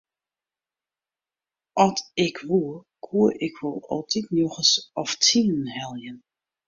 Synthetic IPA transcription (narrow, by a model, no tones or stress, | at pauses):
ʔɔtɪkʰʋuə | kʰuəʔɪkʰʋɔlˠɔ̰lˠtʰitnjoɣəsɔftʰinhɛlˠjən